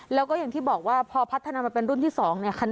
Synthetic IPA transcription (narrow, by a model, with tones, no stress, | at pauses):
lɛː˦˥wkɔː˥˩ja˨˩ŋt̪ʰiː˥˩bɔː˨˩k̚waː˥˩pʰɔː˧pʰa˦˥t̪ʰːa˧naː˧ma˧npe˧nɾu˥˩nt̪ʰiː˥˩sɔː˩˦ŋni˥˩ɐkʰa˧n